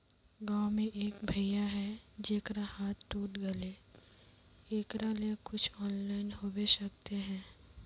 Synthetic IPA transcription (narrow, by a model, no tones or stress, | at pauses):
ɡaːmẽʔeːkbʱɐɪjaɦɛd͡ʒeːkɾahaːt̪ːuːʈɡɐle | eːkɾaliekʊt͡ʃʰɔːnlaːɪnɦoːbeʃɐk̚t̪eɦɛ̃ː